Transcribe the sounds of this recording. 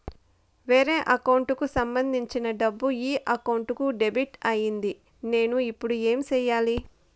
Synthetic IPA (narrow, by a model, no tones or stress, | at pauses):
ʋeːɾe̞ːʔɐkɐwɳʈukusɐmbɐnd̪ʱiɲt͡ʃinɐɖɐbːuiːʔɐkɐwɳʈukuɖe̞biʈɐjind̪i | ne̞ːnuipːuɽue̞ːmt͡ʃɛːjaːli